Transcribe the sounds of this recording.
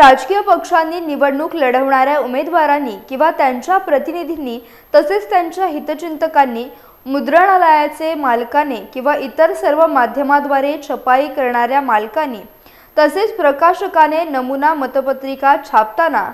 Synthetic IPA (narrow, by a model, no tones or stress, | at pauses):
ɾad͡zkijəpəkʂanːiːniʋəɽɳuːkləɽəʋɳ̃aɾjaumed̪ʋaɾanːiːkĩw̃ʋat̪jaɲt͡ɕjapɾət̪inid̪ʱinːiː | t̪əset͡st̪jaɲt͡ɕjaɦit̪ət͡ɕint̪əkanːiː | mud̪ɾəɳalajat͡semalkanekĩw̃ʋaʔit̪əɾsəɾʋəmad̪ʱjəmad̪ʋaɾet͡ɕʰəpaikəɾɳaɾjamalkanːiː | t̪əset͡spɾəkaɕəkanenəmunamət̪əpət̪ɾikat͡ɕʰap̚t̪ana